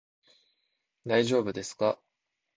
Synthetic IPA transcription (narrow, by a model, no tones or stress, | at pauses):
d̪aiʑo̞ːbɯ̟d̪e̞sɨ̥ka